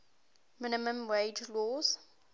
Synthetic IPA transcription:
mɪnɪmə̃mweɪd͡ʒlɔːz̥

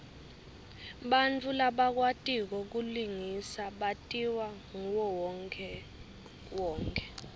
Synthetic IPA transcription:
ɓant͡fʰulaɓak̬watʼik̬ɔk̬uliŋisaɓatʼiwaŋuwɔwɛ | wɔːŋkʰʼɛ

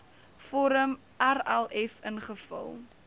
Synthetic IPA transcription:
fɔɾəm | ʔærælˠɛfənχəfə̰lˠ

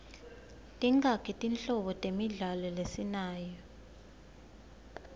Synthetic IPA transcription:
tʼiŋakʰɛtʼint͡ɬʼɔɓɔtʼemiɮalɔlesinaːjɔ

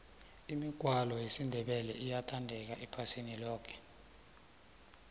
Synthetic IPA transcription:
imiɡ̥ʱwalɔjesindʱɛɓɛlɛijatʰandʱɛk̬aɛpʰasinilɔːkʰɛ̥

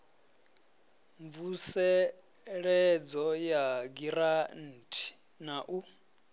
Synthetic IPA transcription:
ɱvusɛ | ɺɛd͡zɔjaɡiɾan̩ːtʰi̥ | naʔu

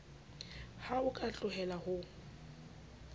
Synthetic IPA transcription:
haʊkʼat͡ɬʼʊɦɛlahʊ

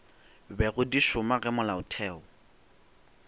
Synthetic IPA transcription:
bɛɣʊdiʃʊmaɣɛmʊlaʊtʰɛːɔ

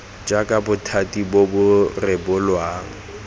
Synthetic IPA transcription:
d͡ʒakʼabʊtʰatʼibobʊrɛbʊlwaːŋ̩

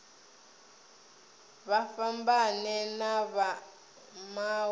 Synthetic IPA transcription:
βafambanɛnaβa | ma

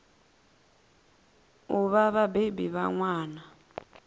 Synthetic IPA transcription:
uβaβabebiβa̰ŋwaːna

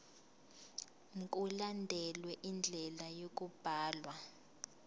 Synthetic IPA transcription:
ŋkʼulandʱɛlwɛʔind͡ɮʱɛlajok̬ʼub̥ʱaːlwa

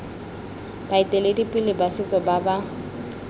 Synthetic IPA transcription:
b̥aitʼeledipʼɪlɪbasɪt͡sʼɔbaba

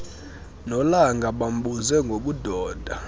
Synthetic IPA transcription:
nɔlaŋɡʱaɓam̩ɓuzɛŋɡʱoɓudʱɔːd̥ʱa

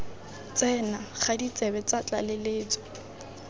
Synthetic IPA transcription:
t͡sɛnaχadit͡sʼɛbɛt͡sat͡ɬʼa̰lɪleːt͡sɔ̥

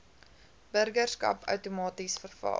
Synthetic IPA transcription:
b̥ərɡərskɐ̰pœ̰wtumɑːtisfərfɑ̰

